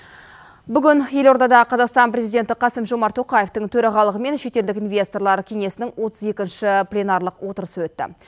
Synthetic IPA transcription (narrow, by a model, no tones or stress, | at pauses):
bʏɡʲɪnje̞lo̞ɾd̪ɑd̪ɑqʰɑzɑqst̪ɑnpɾʲe̞zijd̪ʲe̞nt̪ɪqʰɑsəmʒomɑɾt̪ʰːo̞qɑje̞ft̪əŋt̪ʰɵɾɑʁɑlˠəʁəme̞nʃe̞t̪e̞ld̪ɪkinvʲje̞st̪orlˠɑɾəkʲʰe̞ŋe̞sɪnɪŋwo̞t̪əze̞kʲɪnʃɪplʲenɑɾlˠəqwo̞t̪əɾəsəwɵt̪ːɪ̰